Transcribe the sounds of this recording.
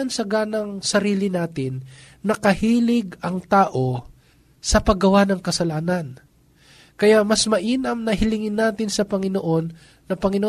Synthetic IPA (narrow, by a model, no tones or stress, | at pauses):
ɐnsɐɡaːnɐŋsɐɾiːlɪnaːt̪ɪnː | ɐkɐhiːlɪɡɐŋt̪aːʔo̞ | sɐpɐɡɐwanɐŋkɐsɐlaːnɐn | kɐjaʔmɐsmɐʔiːnɐmnɐɦɪlɪŋɪnːaːt̪ɪnsɐpɐŋɪnoʔo̞nː | ɐpɐŋɪno